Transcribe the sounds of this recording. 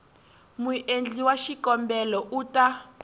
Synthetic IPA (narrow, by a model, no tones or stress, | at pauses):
muʔend͡ɮiwaʃikɔmbɛlɔʔuta